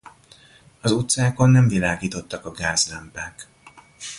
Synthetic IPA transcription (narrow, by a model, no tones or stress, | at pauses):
ɒzut̪saːko̞nːɛɱvilaːɡiːt̪o̞t̪ːɒkɒɡaːzrɛmpaːk